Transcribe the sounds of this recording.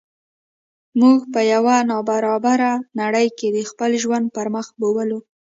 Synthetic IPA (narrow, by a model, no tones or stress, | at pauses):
muɡpəjawanɑbaɾɑbaɾanaɽəjked̪əxpəlʒwand̪̚paɾməxbowəlu